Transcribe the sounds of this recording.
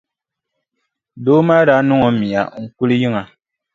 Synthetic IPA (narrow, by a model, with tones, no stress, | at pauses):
do˦ma˦ɾa˦nu˦ŋɔ˨mi˨a˨ŋ̩˨ku˦li˦ji˦ŋa˨